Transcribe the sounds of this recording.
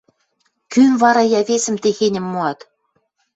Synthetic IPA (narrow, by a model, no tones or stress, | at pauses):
kynvɑɾɑjɑβesɘ̆mt̪exenʲɘ̆mːoɑt̪